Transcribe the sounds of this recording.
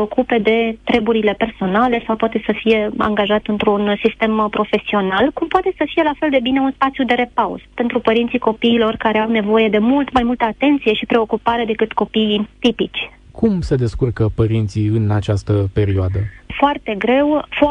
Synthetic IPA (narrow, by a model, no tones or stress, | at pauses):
o̞kupe̞d̪e̞t̪ɾe̞buɾile̞pe̞rso̞nale̞sawpwat̪e̞səfije̞a̰ŋɡaʒat̪ɨnt̪ɾunsist̪e̞mpɾo̞fe̞sio̞nalkumpoat̪e̞səfije̞lafe̞ld̪ebine̞unspat̪sijud̪e̞ɾe̞pawzpe̞nt̪ɾupəɾint̪siko̞piːlo̞rkaɾeawne̞vo̞je̞d̪e̞mult̪majmult̪əat̪e̞nt̪sije̞ʃipɾe̞o̞kupaɾe̞d̪e̞kɨt̪ko̞pit̪ipit͡ʃʲ | kʰumse̞d̪e̞skurkəpəɾint̪siɨnat͡ʃast̪əpe̞ɾioad̪əfoart̪e̞ɡɾe̞wf